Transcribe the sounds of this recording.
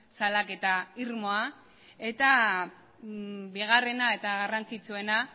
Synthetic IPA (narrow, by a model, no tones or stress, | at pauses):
salake̞t̪aiɾmo̞a | e̞t̪a | biɣ̞are̞nae̞t̪aɣarant͡sit͡sue̞na